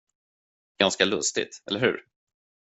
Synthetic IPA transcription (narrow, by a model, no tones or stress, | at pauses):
ɡ̥anskalɵst̪ɪ̰t̪ɛlːəɾhɵ̟̰ːɾ